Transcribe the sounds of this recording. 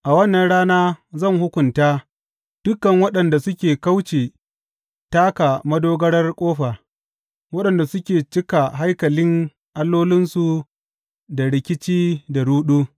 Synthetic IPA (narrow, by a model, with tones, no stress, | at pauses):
ʔa˨wɐ˦nːɐ˨nɽaː˦naː˦zɐ˦˨ŋhʊ˦kʷʊ˨ntaː˦ | d̥ʊ˦kːɐ˨ŋwɐ˦ɗɐ˨nda˨sʊ˦kʲeː˨ka˦wt͡ʃeː˨ | taː˦ka˨mɐ˦doː˦ɡɐ˦ɽɐ˦rkʷʼoː˦ɸaː˨ | wɐ˦ɗɐ˨nda˨sʊ˦kʲeː˨t͡ʃɪ˦ka˨ɦa˦jkɐ˨lɪ˦ŋ | ʔa˦lːoː˦lɪ˦nsu˨ | da˨ɽɪ˦kʲɪ˦t͡ʃiː˦da˨ɽuː˦ɗuː˦